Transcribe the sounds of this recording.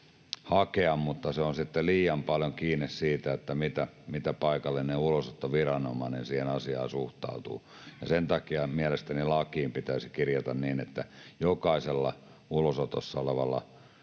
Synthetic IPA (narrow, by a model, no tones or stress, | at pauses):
hɑkeɑmmut̪ːɑseonsit̪ːeliːjɑmpɑljoŋkiːnːissiːt̪æet̪ːæmit̪æmit̪æpɑikɑlːenneulosot̪ːoʋirɑnomɑˑinensiːhenɑsiɑ̰ːsuht̪ɑ̰ut̪ṵː | jɑsent̪ɑkiɑmiælest̪ænilɑkiːmpit̪æːsikirjɑt̪ɑnniːnet̪ːæjokɑˑiselːɑ̰ | ulosot̪o̰sːɑoleʋɑlːɑ̰